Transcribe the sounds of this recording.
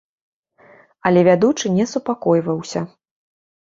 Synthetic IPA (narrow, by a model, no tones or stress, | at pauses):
ɐlʲɛvʲad̪ut͡ʂɨnʲɛsupakɔjvɐwsʲɐ